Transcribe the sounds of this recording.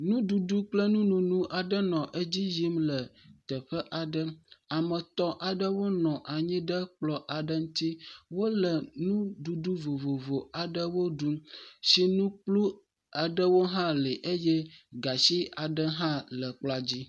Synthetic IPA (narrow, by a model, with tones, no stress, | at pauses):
nũ˦du˨ɖu˦k͡plə˦nũ˦nũ˨nũ˦ʔa˨ɖə˦nɔ̃˨ʔe˦d͡ʑi˦ji˦mlə˨t̪ə˨ɸə˦ʔa˨ɖə˦a˨mə˨t̪ɔ˦ʔa˨ɖə˦wo˦nɔ̃˨ʔa˨ɲĩ˦ɖə˦k͡plɔ˦ʔa˨ɖə˦ŋũ˦t̪i˦wo˦lə˨nũ˦du˨du˦vo˨vo˨vo˨a˨ɖə˦wo˦ɖu˦mʃi˦nũ˦k͡plu˦ | a˨ɖə˦wo˦ɦã˦li˨ʔe˦jɛ˦ɡa˨si˦a˨ɖə˦ɦã˦lə˨k͡pla˦d͡ʑi˦